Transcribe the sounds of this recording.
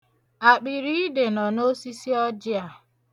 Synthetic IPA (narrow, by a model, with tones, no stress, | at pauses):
a˨k͡pi˨ɾi˦i˦de˨nɔ˨no˦si˦si˦ɔ˦d͡ʒɪ˦a˨